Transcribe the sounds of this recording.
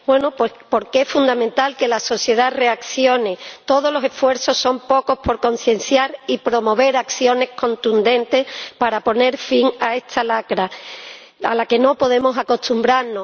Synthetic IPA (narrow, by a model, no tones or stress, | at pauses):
bwe̞nopwepo̞ɾkeesfund̪amẽnt̪alke̞laso̞θje̞ðare̞akθjo̞net̪o̞ð̞olo̞se̞fwe̞ɾθo̞sːo̞mpo̞ko̞hpo̞ɾko̞n̟θjẽ̞n̟θjaɾipɾo̞mo̞β̞e̞ɾakθjo̞ne̞hko̞nt̪und̪ẽ̞nt̪e̞spaɾapo̞ne̞ɾfiŋae̞st̪ʰalakɾa | a̰lake̞no̞po̞ðe̞mo̞sako̞ht̪umbɾaɾno